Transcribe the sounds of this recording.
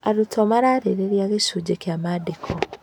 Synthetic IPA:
aɾutʰomaɾaːɾeɾeɾjaɣesud͡ʒekjamadekʰo

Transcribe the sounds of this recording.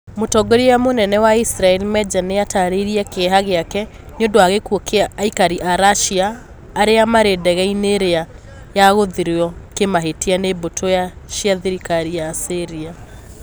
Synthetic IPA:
motɔɡoɾijamonɛnɛwaisɾaɛlimɛd͡ʒanejataɾeɾiakeɦaɣeakɛ | ɲondoaɣekuokeaːikaɾiʔaɾaʃiaː | ɾeamaɾedɛɣɛineɾea | jaɣoðiɾeɔkemaɦetianebotʰojaʃiaðiɾikaɾijaseɾia

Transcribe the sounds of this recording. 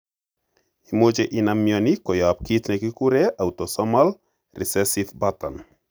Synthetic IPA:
imod͡ʒeʔɪnamjɔnikɔjap̚kit̪nɛkikuɾeʔawt̪ɔsɔmal | rʔḭsɛsifbat̪a̰n

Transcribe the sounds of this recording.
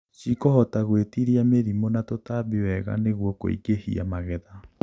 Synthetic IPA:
ʃikɔhɔtaɣwetiɾiameɾimonatotabewɛɣa̰neɣwɔko̰ḭɡehḭa̰maɣɛða

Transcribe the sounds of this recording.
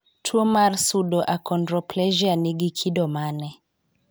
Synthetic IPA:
tʰuɔmaɾsuɗɔʔakʰɔndɾɔplɛʒianiɡikʰidɔmanɛ

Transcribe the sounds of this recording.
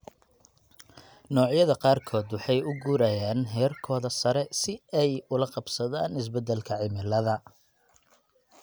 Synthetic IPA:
nɔːʕjɐðɐqɑːrkʰɔːd̪wɑħɑjʊɡuːɾaːjaːnɦɛːrkʰɔːðɐsɐɾɛsɪɛjʊlɐqɑbsɐða̰ːnɪs̬bɛd̪ːɛlkʰɐʕɪmɪlɐðɐ

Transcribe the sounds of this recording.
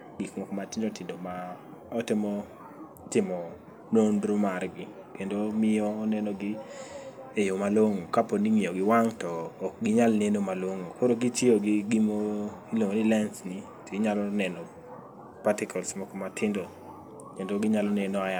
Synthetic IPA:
ɡikmɔkɔmatɪndotɪndomaɔtɪmɔ | tɪmɔ | nonɾumarɡɪ | kendomɪjɔːnɛnɔɡɪ | ejomaloŋokaponiŋɪjoɡɪwaŋtɔːk̚ɡɪɲalnenomaloŋokoɾoɡɪtioɡɪɡimoiloŋonilɛnsni | tiɲalɔnɛnɔ | patɪkʰɔlsmɔkɔmatʰɪndo | kendoɡɪɲalɔnenɔaja

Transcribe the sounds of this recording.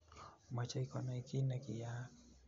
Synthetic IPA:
mat͡ʃaikɔnaikinakija

